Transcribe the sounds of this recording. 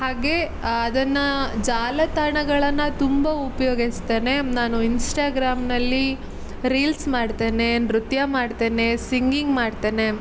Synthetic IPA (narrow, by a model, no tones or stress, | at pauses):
haːɡe̞ː | d̪ɐnːɐd͡ʒaːlɐt̪ɐɳɐɡɐɭɐnːɐt̪umbɐupɐjoːɡist̪e̞ːne̞naːnuinsʈaːɡɾaːmnɐlːi | ɾiːlsmaːɽt̪e̞ːnenɾut̪jɐmaːɖt̪e̞ːne̞siŋɡiŋɡmaːɖt̪e̞ːne̞